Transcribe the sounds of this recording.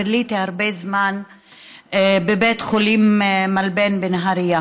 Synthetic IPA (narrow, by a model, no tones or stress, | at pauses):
lit̪iaɾbezman | bebetχolimmalbenbenɦaɾia